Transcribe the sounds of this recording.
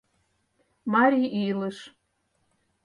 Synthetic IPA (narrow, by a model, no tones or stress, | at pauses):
mɑɾʲiʔilə̆ʃ